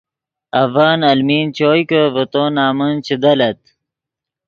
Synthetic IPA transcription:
ɐvaːnɐlmiːnt͡ɕoːjkəvət̪oːnaːmənt͡ɕʰid̪ɐlɐt̪̚

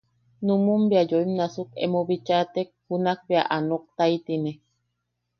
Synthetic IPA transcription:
numumbiajoimnasukḛmoβit͡ʃat̪ek̚hunak̚bea̰ʔanok̚t̪aijt̪ine

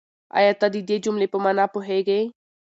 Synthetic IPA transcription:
a̰jat̪əd̪id̪ed͡ʒʊmlepəmanapʊɦeɡəj

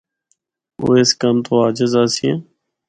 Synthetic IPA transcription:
o̰ːeːskəmt̪ʰoːaːd͡ʒəzaːsiḛ̃ː

